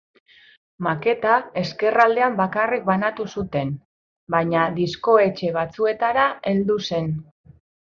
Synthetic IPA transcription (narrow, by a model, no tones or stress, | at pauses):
make̞t̪ae̞ske̞rald̪e̞ambakarik̚banat̪usut̪e̞n | baɲaðisko̞e̞t͡ʃe̞βat͡sue̞t̪aɾae̞ld̪use̞n